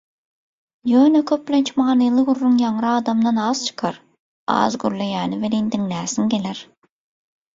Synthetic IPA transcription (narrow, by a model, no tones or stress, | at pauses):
jøːnøkʲʰøp̚blʲent͡ʃʰmɑːnɯjlˠɯɣuɾːuŋjɑŋɾɯɑːd̪ɑmd̪ɑnɑːz̥t͡ʃʰɯ̥qʰɑɾ | ɑ̰ːzɡyɾlejæːnivelind̪iŋlæːsiŋɡʲelæɾ